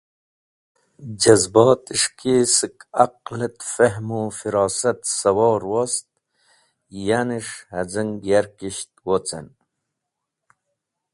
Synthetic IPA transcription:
d͡ʑɐzbɑːt̪iʂkisikaqlət̪feɦmufiɾɑːsɐt̪sɐwoːɾwost̪̚ | janiʂhɐd͡zəŋɡjaɾkiɕt̪wot͡sɐ̰n

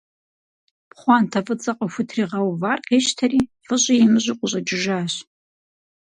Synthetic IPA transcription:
pχʷɑntʰɐvɨt͡sʼɐqʼɐxʷʊtʰriːʁɐwvarqʲʰeːʃtʰɐriːfʼɨɕʼɪjimɨʑʷʼiqʷʼʊɕʼɐd͡ʒɪʒaːɕ

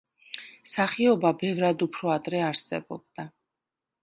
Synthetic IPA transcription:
saχiɔbabɛvɾad̪upʰɾɔad̪ɾɛaɾsɛ̰bɔ̰b̚d̪̥a

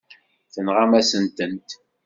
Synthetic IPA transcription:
θənʁamæsənt̪ənt̪

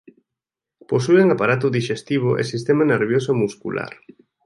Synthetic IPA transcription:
posueŋapaɾat̪ʊðiʃest̪iβ̞ʊʔḛsist̪emɐneɾβjosomuskṵlʔa̰ɾ

